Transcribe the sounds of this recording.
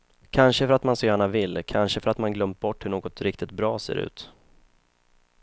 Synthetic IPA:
kʰanʂəfœɾat̪mansɔjæːɳavɪlːkʰanʂəfœɾat̪manɡlœmp̚bɔʈːhɵɳoːɡɔt̪ɾɪk̚t̪ɪt̪̚bɾɑːsḛːɾʉ̟̰ːt̪

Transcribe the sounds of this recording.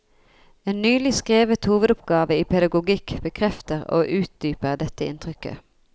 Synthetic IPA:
eːnnyːlɪskʁeːʋət̪huːʋəd̪ʊpɡɑːʋəiːpʰɛd̪ɑɡʊɡɪkb̥əkʰʁɛft̪əʁo̰ːʔʉːt̪̚d̪yːpəʁd̪ɛt̪əɪ̰nt̪ʰʁʏkə̰

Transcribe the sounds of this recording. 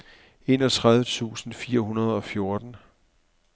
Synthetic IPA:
e̝nɒ̽t͡sʰʁað̞ˠʋət͡sʰṵːsn̩fiːɐɦunɐð̞ˠɒ̽fjo̝ɐd̥n̩

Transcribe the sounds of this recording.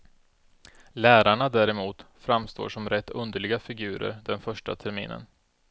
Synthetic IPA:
læːɾaɳad̪æːɾɛmuːt̪fɾamst̪o̰ːʂɔmɾɛt̪ːɵnd̪əɭɪɡafɪɡʉ̟ːɾə̰ɾɖ̪ɛnfœʂʈa̰t̪ʰɛɾmḭːnə̰n

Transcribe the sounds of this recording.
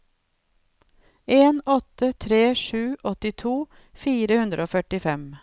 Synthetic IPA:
eːnɔt̪ət̪ʰɾeːʃʉːʔɔt̪ɪt̪ʰuː | fiːɾəhʉnd̪ɾʔəoːfœʈɪfɛm

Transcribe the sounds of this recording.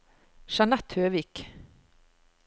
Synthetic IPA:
ʃɑnæt̪høːʋiːk

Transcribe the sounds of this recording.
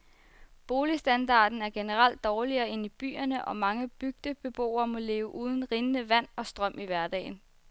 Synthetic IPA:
b̥o̝ːlisd̥ænd̥ɑ̰̈ːd̥n̩æɐɡ̥e̝nəʁal̰d̥ːɒːliɐːe̝nib̥y̰ːɐnəʔɒ̽mɑ̈ŋəb̥yɡ̥̚d̥əb̥e̝b̥o̝̰ːɐmɒ̽le̝ːʊəʔuːð̞ˠn̩ʁinənəʋæn̰ɒ̽sd̥ʁɶm̰iʋæɐd̥ɛ̰ːn

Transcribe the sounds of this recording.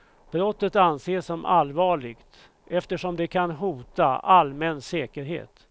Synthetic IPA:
b̥ɾɔt̪ːət̪anːseːʂːɔmʔa̰lvɑːɭɪɡt̪ | ɛft̪əʂɔmd̪ɛkʰanɦuːt̪a̰almɛnsɛːkəɾɦḛːt̪

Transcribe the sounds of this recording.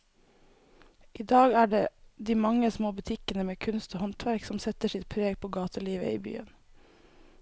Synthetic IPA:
ʔiːd̪ɑːɡæːɖeːd̪iːmɑŋəsmoːbʉt̪ʰɪkənəmeːkʰʉnst̪oːhɔnt̪ʰʋæɾksɔmsɛt̪əʃɪt̪̚pʰɾeːɡpʰoːɡɑːt̪ʰəliːʋə̰ḭːby̰ːə̰n

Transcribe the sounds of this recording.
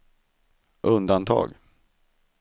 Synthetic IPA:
ʔɵnd̪ant̪ʰɑ̰ːɡ

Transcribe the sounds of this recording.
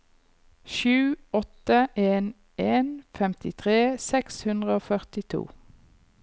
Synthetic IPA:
ʃʉːɔt̪əʔeːn | ʔeːnfɛmt̪ɪt̪ʰʁeːsɛkshʉnd̪ʁəoːfœʁt̪ɪt̪ʰṵː

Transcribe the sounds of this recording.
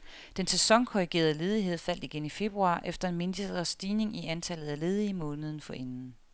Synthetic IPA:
d̥ensesɒ̽ŋkʰɒʁiɡ̥e̝̰ːɐð̩ˠle̝ːð̞ˠiɦe̝ð̞̰ˠfæl̰d̥iɡ̥enife̝b̥ʁuɑ̈ːʔefd̥ɐe̝nme̝nd̥i̥ɐsd̥iːne̝ŋiænt͡sʰælð̞̩ˠæle̝ːð̞ˠimɔ̽ːnəð̞̩ˠn̩fɒ̽ʔenn̩

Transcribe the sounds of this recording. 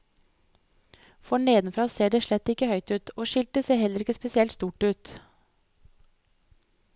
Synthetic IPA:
fɔɳeːd̪nfɾɑːseːɖeːʃlɛt̪ːɪkəhœʏt̪ʉːt̪ʰoːʃɪlt̪əseːɾhɛləɾɪkːəspɛsɪɛlt̪st̪uːʈʉːt̪

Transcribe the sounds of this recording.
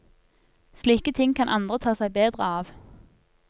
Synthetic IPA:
sliːkət̪ʰɪŋkʰɑnʔɑ̰nd̪ʁət̪ʰɑːsæɪbeːd̪ʁəɑːʋ

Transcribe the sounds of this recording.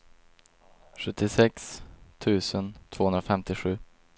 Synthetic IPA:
ɧɵt̪ːɪsɛkst̪ʰʉ̟ːsənt̪ʰvoːhɵnɾafɛmt̪ɪɧʉ̟ː

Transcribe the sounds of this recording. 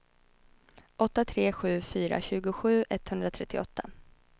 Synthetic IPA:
ʔɔt̪ːat̪ʰɾeːɧʉ̟ːfyːɾa̰ɕʉ̟ːɡʊɧʉ̟ːʔɛt̪ːhɵnd̪ɾat̪ʰɾɛt̪ːɪɔt̪ʰːa

